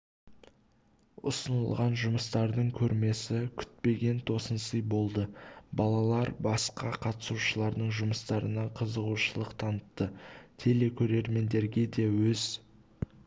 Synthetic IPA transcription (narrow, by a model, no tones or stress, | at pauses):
ʊ̰sənə̰lˠʁɑnʒʊməst̪ɑɾd̪əɴkʲʰɵɾme̞sɪkʲʰʏ̥t̪̚pe̞ɡʲe̞nt̪ʰo̞sənsəjbo̞lˠd̪əbɑlˠɑlˠɑɾbɑsqɑqʰɑt̪ə̥suʃəlˠɑɾd̪əɴʒʊməst̪ɑɾənɑqʰəzəʁuʃəlˠəqt̪ʰɑnət̪ːət̪ʰe̞le̞kʲʰɵɾe̞ɾme̞nd̪e̞ɾɡʲe̞d̪e̞wɵz̥